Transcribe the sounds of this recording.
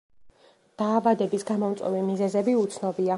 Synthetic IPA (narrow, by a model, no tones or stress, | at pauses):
d̪̥aːvad̪ɛbisɡamɔmt̪sʼwɛ̰vimizɛzɛbiut̪sʰnɔbia